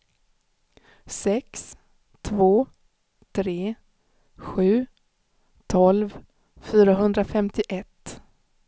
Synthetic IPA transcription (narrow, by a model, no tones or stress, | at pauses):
sɛks | t̪ʰvoː | t̪ʰɾeː | ɧʉ̟ː | t̪ʰɔlv | fyːɾaɦɵnd̪ɾafɛmt̪ɪʔɛt̪ː